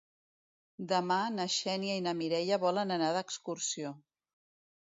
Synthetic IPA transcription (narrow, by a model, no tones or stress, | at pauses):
d̪əmanəʃɛniəinəmiɾɛʎəβɔlənənaðəkskursio